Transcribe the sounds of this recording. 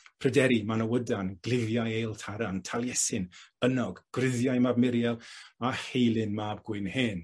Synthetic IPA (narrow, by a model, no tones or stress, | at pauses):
pʰrədɛɾimanəwədanɡlˠɪvjajejlˠtʰaɾantʰalˠjɛsɨnənɔɡɡ̥rɪðjajmabmɪɾjɛlˠahejlˠɨnmaːb̚ɡwɪɨnheːn